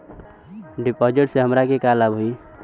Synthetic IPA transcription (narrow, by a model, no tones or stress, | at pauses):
ɖipɔd͡ʒeʈseɦəmɾakekalabɦui